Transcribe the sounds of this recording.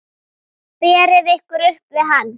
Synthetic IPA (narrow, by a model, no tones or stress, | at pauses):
pɛːɾɪðehkʏɾʏhpvɪðɦanː